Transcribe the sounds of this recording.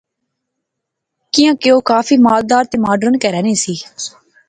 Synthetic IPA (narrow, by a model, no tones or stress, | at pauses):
kɪjãːkeoːkaːfiːmaːld̪aːɾt̪eːmaːɖɾənkɛɾɛːnẽːsiː